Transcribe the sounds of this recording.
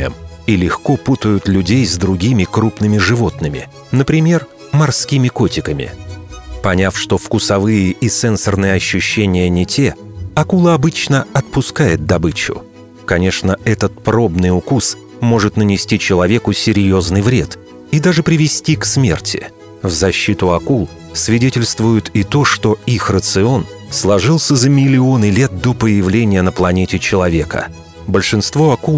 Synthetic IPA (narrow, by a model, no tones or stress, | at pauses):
ə̰milʲɪxko̞put̪əjʊt̪lʲʉdʲejzd̪ɾʊɡʲimʲɪkɾupnɨmʲɪʐɨvo̞t̪nɨmʲɪ̰ | nəpɾʲɪmʲe̞r | mɐrskʲimʲɪkotʲɪkəmʲɪ̰pɐnʲafʂt̪o̞fkʊsɐvɨjəʔisɛnsərnɨjəɐɕːʊɕːenʲɪjənʲɪtʲʰeɐkulˠəɐbɨt͡ɕnəɐt̪̚pʊskajɪt̪̚d̪ɐbɨt͡ɕʊ̰ | kɐnʲe̞ʂnəɛt̪ət̪̚pɾo̞bnɨjʊkus | mo̞ʐɨt̪nənʲɪsʲtʲit͡ɕɪlˠɐvʲe̞kʊsʲɪɾʲjo̞znɨjvɾʲe̞t̪ | id̪aʐɨpɾʲɪvʲɪsʲtʲiksmʲe̞̰rtʲʰɪ̰ | vzɐɕːit̪ʊɐkulˠ | svʲɪdʲetʲɪlʲst̪vʊjʊt̪ʰɪt̪o̞ʂt̪o̞ixrət̪sɨo̞n | slˠɐʐɨlˠsʲəzəmʲɪlʲɪonɨlʲe̞t̪̚d̪opəjɪvlʲenʲɪjənəplˠɐnʲetʲɪt͡ɕɪlˠɐvʲe̞kə̰ | bəlʲʂɨnst̪vo̞ɐku